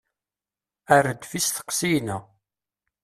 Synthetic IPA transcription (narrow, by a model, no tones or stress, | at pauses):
ærəd̪fisθə̥qsijnə